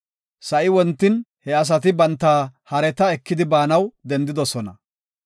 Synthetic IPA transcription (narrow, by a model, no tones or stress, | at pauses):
sɐʔɪwɔnt̪ːɪnhɛɐs̬ɐt̪̬ɪbɐnt̪ːaːhɐɾɛt̪ɐɛkːɪd̪ɪbaːnɐwd̪ɛnd̪ɪd̪ɔsɔnɐ